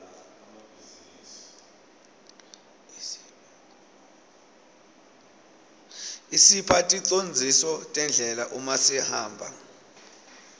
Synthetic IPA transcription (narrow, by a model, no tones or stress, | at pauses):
isipʰatʼiǀond͡zʱisɔtʼɛnd͡ɮʱɛlaʔumasihaːmbʱa̰